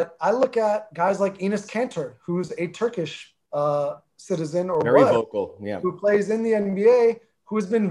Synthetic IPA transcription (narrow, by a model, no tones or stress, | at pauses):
ʌɾaɪlʊkət̚ɡ̥aɪzlaɪkinɨskʰæ̃ntʰə˞huzɨtʰɜ˞kɨʃ | ʌ | sɪɾɨzɨ̃nə˞ɛwʌoʊkl̩ˠjæ̰hupʰl̥eɪzɨ̃nðiɛ̃nbieɪ | huɨzbɨ̃n